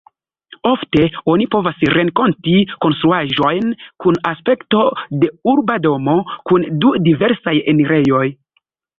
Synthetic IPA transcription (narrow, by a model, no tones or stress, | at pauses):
o̞fte̞o̞nipo̞vasɾe̞ŋko̞ntiko̞nst̪ɾuaʒo̞jnkunaspe̞kto̞de̞uɾbado̞mo̞kundudive̞ɾsaje̞neɾe̞jo̞j